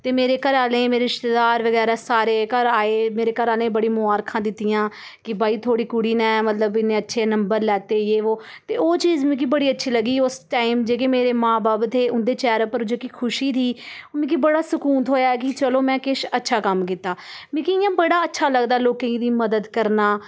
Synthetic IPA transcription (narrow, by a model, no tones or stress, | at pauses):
t̪eːmeːɾeːkəɾaːlẽːmeːɾeɪʃt̪ed̪aːɾʋəɡɛːɾaːsaːɾeːkəɾaːeːmeːɾeːkəɾaːlẽːbəɽiːmʊaːɾkʰãːd̪ɪt̪ːijãː | kɪbaːiːt̪ʰoːɽiːkʊɽiːnɛ̃ːmət̪ləbɪnːẽːətːʃʰeːnəmbəɾlɛːt̪eːeːʋoː | t̪eːoːt͡ʃiːzmĩːk̬iːbəɽiːətːʃʰiːləɡiːʊsʈaːɪmd͡ʒeːk̬eːmeːɾeːmãːbaːbd̪eːʔʊnd̪eːt͡ʃɛːɾəpəɾd͡ʒeːkikʰʊʃiːd̪iːmẽːkibəɽaːsʊkuːnt̪ɦoːjaːɛːkɪt͡ʃəloːmɛ̃ːkɪʃətːʃʰaːkəmkiːt̪aːmĩːkiɪjãːbəɽaːətːʃʰaːləɡd̪aːloːkẽĩd̪iːməd̪əd̪kəɾnaː